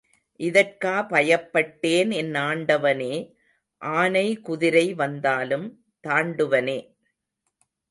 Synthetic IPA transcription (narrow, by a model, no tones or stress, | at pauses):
ʔɪðɐrkaːpɐjɐpːɐʈːeːnɛnːaːɳɖɐʋɐneː | ʔaːnɐɪkʊðɪɾɐɪʋɐnd̪aːlɯm | t̪aːɳɖɯʋɐneː